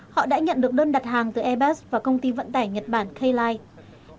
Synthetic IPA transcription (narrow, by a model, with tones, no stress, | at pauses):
hɔ̰˧˨ɗa̰ː˧˥ɲə̰˧˨nɗɨ˨˩ək̚ɗəː˧nɗa˨˩t̚haː˨˩ŋt̪ɨ˨˩ʔɛ˧ɓɛː˦˥s̚vaː˨˩kə˧wŋ͡mt̪i˧və̰˧˨nt̪aː˧˩jɲə˨˩t̚ɓaː˧˩nxə˧jlaː˧j